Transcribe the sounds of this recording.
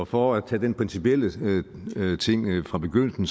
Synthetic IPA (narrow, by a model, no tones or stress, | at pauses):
fɒæt͡sʰɛd̥enpʰʁinsipʰiel̰ə | t͡sʰe̝ŋ̰fʁɑ̈b̥e̝ɡ̥øn̰l̩sn̩